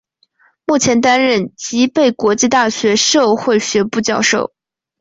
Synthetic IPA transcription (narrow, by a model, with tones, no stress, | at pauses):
mu˥˩t͡ɕʰjɛ˧˥nt̪a˥nɻə˥˩nt͡ɕi˧˥pe˥˩ɪkwɔ˧˥t͡ɕi˥˧t̪a˥˩ɕɥɛ˧˥ʂo˥˧ʊxwe˥˩ɪɕɥɛ˧˥pu˥˧t͡ɕjɑ˥˧ʊʂo̰˥˩ʊ